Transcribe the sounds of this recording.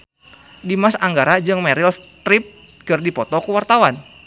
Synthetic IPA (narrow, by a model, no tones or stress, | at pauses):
dimasaŋɡaɾad͡ʒɨŋmɛɾilst̪ɾip̚ | kɨrdipɔt̪ɔkuwart̪awan